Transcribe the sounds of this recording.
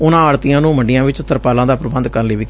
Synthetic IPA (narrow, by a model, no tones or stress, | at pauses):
ʊnãːaːɽt̪ijãːnũːməɳɖɪjãːʋɪt͡ʃt̪əɾpaːlãːd̪aːpɾəbənd̪kəɾnleːʋiː